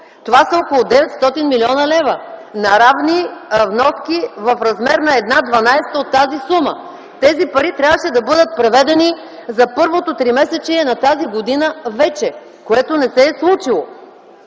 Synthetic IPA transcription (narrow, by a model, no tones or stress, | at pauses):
t̪ovasəɔkolˠod̪ɛvɛt̪st̪ɔt̪inmilʲiɔnɐlɛvɐnɐɾavnivnɔskʲivɐfɾɐzmɛɾnɐɛd̪nad̪vɐnajst̪əot̪ːazisumə | t̪ɛzipɐɾit̪ɾʲjavəʃɛd̪ɐbɤd̪ət̪̚pɾɛvɛd̪ɛni | zɐpɤɾvot̪ot̪ɾimɛsɛt͡ʃiɛnɐt̪aziɡod̪inəvɛt͡ʃɛ | koɛt̪onɛsɛːslˠut͡ʃilˠo